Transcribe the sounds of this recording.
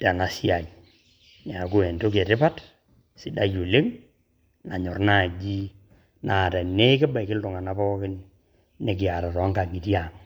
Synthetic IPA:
ta˨na˨si˦a˨ | na˨ko˦e˨ndo˦ke˨tɪ˦pa˦t | si˨da˦jo˨le˦ŋ | na˨ɲɔ˨rna˦˨d͡ʒi˦ | na˨ta˨ne˦kɪ˦ba˨kɪ˦ltʊ˨ŋa˨na˦pɔː˦kɪ˦n | ne˨kɪ˨a˨ɾa˨tɔ˨˦ŋɡa˨ŋi˨ti˦a˨ŋ

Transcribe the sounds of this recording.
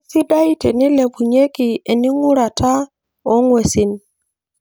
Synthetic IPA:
si˦da˦i˦te˨ni˦le˨bu˨ɲe˦ki˨e˨ni˦ŋu˦ɾa˨ta˦ | o˨˦ŋwe˨si˨n

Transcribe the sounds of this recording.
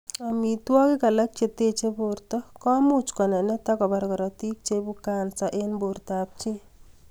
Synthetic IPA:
a˨mi˨twɔ˦kɪ˦ka˨la˦k̚t͡ʃe˦te˦t͡ʃe˦bo˨ɾtɔ˦kɔ˦mʊ˦t͡ʃkɔ˨nɛ˨nɛ˦ta˦kɔ˨ba˨ɾkɔ˨ɾɔ˨ti˦k̚t͡ʃe˦bu˦ka˨nsa˨ʔe˦nbo˨rt̪a˨p̚t͡ʃi˦

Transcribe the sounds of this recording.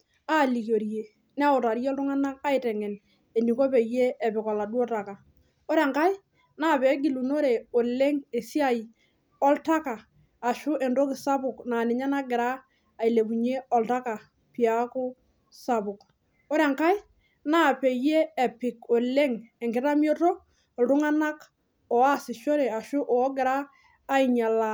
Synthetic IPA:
a˦˨li˨kjo˨ɾje˨ | n˦a˦ʊ˨ta˨ɾjɔ˦ltʊ˦ŋa˦na˦a˦ɪtɛ˨ŋɛ˨n | e˨ni˨ko˦pe˨jeː˦˨pɪ˨kɔ˨la˨dwɔ˦ta˨ka˨ | o˦ɾɛ˨ŋka˦j | na˦˨pɛ˨˦ɡɪ˨lu˨no˦ɾe˨o˨le˦ŋe˨si˦a˦j | ɔ˦lta˦kaː˨ | ʃʊ˦ʔɛ˨ndo˦kɪ˨sa˦bʊ˨knaː˨nɪ˨ɲa˦na˦ɡɪ˨ɾaː˦˨ | i˨le˨bu˨ɲe˦ɔ˨lta˦ka˨ | pi˨a˦kʊ˦ | sa˨bʊ˨k | ɔ˦ɾa˨ŋka˦j | na˦pe˨jeː˦˨pɪ˨kɔ˨le˦ŋɛ˨ŋɡɪ˦ɾa˦mjo˦to˦ | ɔ˨ldʊ˦ŋa˦na˦k | ɔ˨a˦sɪ˨ʃo˦ɾe˨a˨ʃʊ˦ʔɔ˨˦ɡɪ˨ɾaː˦ | i˨ɲa˨la˨

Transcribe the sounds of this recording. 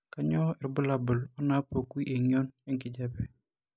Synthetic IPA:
ka˦ɲɔ˦ɛ˨ɾbə˦la˨bə˨lɔ˦na˦po˨ku˦i˦ʔe˨ɲɔ˦nɛ˦ŋkɪ˦d͡ʒabɛ˨

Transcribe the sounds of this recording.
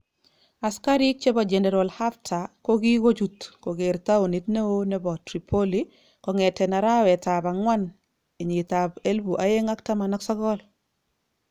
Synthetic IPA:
a˨ska˦ɾi˦t͡ʃe˦ba˨d͡ʒɛnɛ˨ɾɔlha˦ftʰako˦ɡi˦wo˦d͡ʒutkɔ˨ɡe˨ɾt̪a˦u˨ni˨tne˦wo˦nɛbɔ˨tɾipʰoli | kɔŋɛtɛ˨na˨ɾa˦wɛtaba˨ŋwa˦n | e˨ɲi˨tabe˦lbuʔa˨je˦ŋa˦k̚ta˦ma˨nɔ˦ksɔ˦ɡɔ˦l

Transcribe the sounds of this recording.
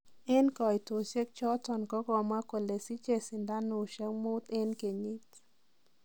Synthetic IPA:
e˦nkɔ˨jto˨se˦k̚t͡ʃɔ˦tɔ˨nkɔ˦ɡɔ˨ma˦ko˨le˨si˦t͡ʃe˨sɪ˨nda˦no˨ʃɛ˦ŋmo˦t̪e˦nke˨ɲi˦t

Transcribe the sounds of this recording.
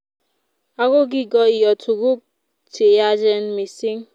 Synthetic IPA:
a˦ɣo˦ɡi˦ɡɔ˦i˨jɔ˨tʰu˨ɡu˦k̚ | tʰe˨ja˦d͡ʒɛ˦n˦mi˨si˦ŋ

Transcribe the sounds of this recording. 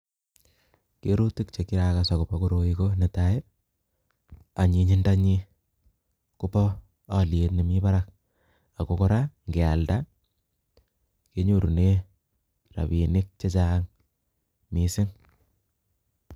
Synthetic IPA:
ke˦ɾu˦ti˦k̚t͡ʃe˨ki˦ɾa˨ka˨sa˨kʊ˨po˦kuɾo˨iko˦ne˨ta˦e˦ | a˨ɲi˨ɲi˦nda˦ɲi˦ | kʊ˦pɔ˦ | a˦˨lje˦tni˨mi˦ba˦ɾa˦k̚ | a˨ko˦ko˦ɾa˦ŋɡe˨a˨lda˦ | ke˦ɲu˦˨ɾu˨ne˦ | ra̰˨bi˨nɪ˦k̚t͡ʃe˦t͡ʃaŋ | mi˦sɪ˦ŋ

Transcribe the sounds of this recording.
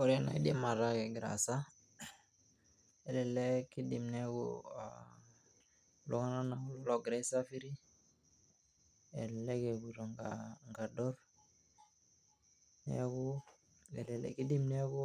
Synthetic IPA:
o˨ɾe˦na̰˨i˦di˦ma˨ɾa˦ke˨ɡɾa̰˨sa˦ | e˨lɛ˨le˦ki˦di˨mne˦ɡṵ | lʔo˦ŋa˦na˦na˨u˦lɔ˦lo˦ɡɾe˦sa˦fi˦ɾi˦ | ḛ˨le˦ke˨bu˨ɾo˨ŋɡaŋɡa˨dɔ˦ɾ | nɛ̰˦ɡu˦ | ɛ̰˨lɛ˨lɛ̰˨ki˦di˦mne˦ɡu˦

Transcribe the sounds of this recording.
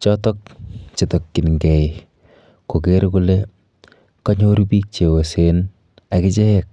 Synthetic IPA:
t͡ʃɔtɔ˦k̚t͡ʃɪ˨tɔ˨kːɪ˨nŋɡɛ˨j | ko˨ke˦ɾku˦le˦ | kɔ˦ɲo˦ɾpiː˦k̚t͡ʃe˨o˨sen | a˨kɪt͡ʃɛ˦jɛk̚

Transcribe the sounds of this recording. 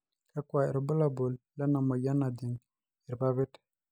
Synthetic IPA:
ka˦kwa˨ɛ̰˨ɾbə˦la˦bo˨lla˦na˨mo˨ja˦na˨di˨ŋ | i˨ɾba˦βi˦t

